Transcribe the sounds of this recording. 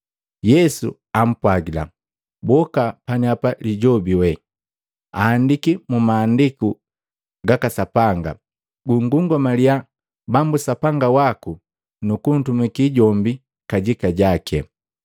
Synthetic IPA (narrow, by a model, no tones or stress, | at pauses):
jɛsṵ | am̩pwaɡila̰ | bɔkapaɲiapaliɟɔbiwɛ | aːndikimumaːndiku | ɡakasapaŋɡa̰ | ɡuŋɡuŋɡɔmalia | bambusapaŋɡawaku | nukun̩tumikiɟɔmbi | kaɟikaɟakʰɛ̰